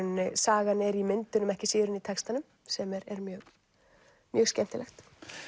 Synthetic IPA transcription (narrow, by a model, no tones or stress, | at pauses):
nɪsaːɣanɛɾimɪnt̪ʏnʏmɛhcɪsiːðʏɾɪnit̪ʰɛkst̪anʏm | sɛmɛɾɛɾmjœːɣ | mjœːɣscɛn̥t̪ɪlʔɛxt̪